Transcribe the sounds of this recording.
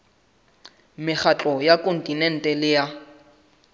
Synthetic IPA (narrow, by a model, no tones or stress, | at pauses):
mɪχat͡ɬʼɔjakʼon̩tʼinɛn̩tʼɛlɪja